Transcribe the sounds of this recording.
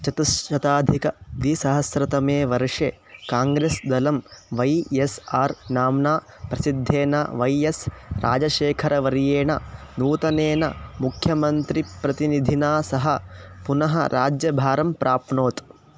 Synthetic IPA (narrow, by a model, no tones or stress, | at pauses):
t͡ʃɐt̪isʃɐt̪aːd̪ʱikɐd̪isɐɦɐsɾɐt̪ɐmeːʋɐɾʂeː | kaːŋɡɾeːsd̪ɐlɐmʋɐjesaːɾnaːmnaː | pɾɐsid̪ʱːeːnɐʋɐjesɾa̰ːd͡ʒɐʃeːkʰɐɾɐʋɐɾjeːɳɐ̰nuːt̪ɐneːnɐ̰mukʰjɐmɐnt̪ɾipɾɐt̪inid̪ʱinaːsɐɦɐpunɐɦɐ̰ɾʔaːd͡ʒjɐbʱaːɾɐmpɾʔaːpɳoːt̪